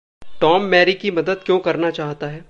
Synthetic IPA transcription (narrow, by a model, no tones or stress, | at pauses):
ʈɔːmːɛːɾikimɐd̪əd̪̚kjõːkɐɾnat͡ʃaːɦt̪aɦɛː